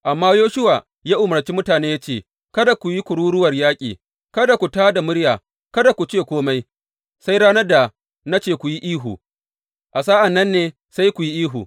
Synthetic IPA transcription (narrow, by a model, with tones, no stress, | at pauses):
ʔa˨mːaː˦joː˦ʃʊ˦wa˨ | jaː˦ʔʊ˨mɐ˨rt͡ʃiː˦mʊ˦taː˨neː˦ja˦t͡ʃeː˦˨ | kɐ˦da˨kʷu˨ji˦kʷʊ˨ɽuː˦ɽʊ˦wɐ˨rjaː˦kʲʼiː˨ | kɐ˦da˨kʷu˨taː˦da˨mʊ˦ɽjaː˨ | kɐ˦da˨kʷu˨t͡ʃeː˦˨kʷoː˦ma˦j | sa˦jɽaː˦nɐ˦da˨ | na˦t͡ʃeː˦˨kʷu˨ji˦ʔiː˦ɦṵ˨ | ʔa˨s̬aː˦ʔa˨nːɐ˦nːeː˦ | sa˦jkʷu˨ji˦ʔiː˦ɦṵ˨